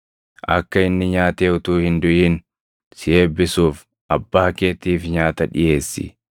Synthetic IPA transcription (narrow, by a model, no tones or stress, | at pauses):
ʔɐ̰kːɐɪnːɪɲaːt̪eːʊt̪uːhɪnd̪ʊʔiːn | sɪeːbːɪsuːf | ʔɐbːaːke̞ːt̪ːiːfɲaːt̪ɐᶑɪje̞ːsːɪ̰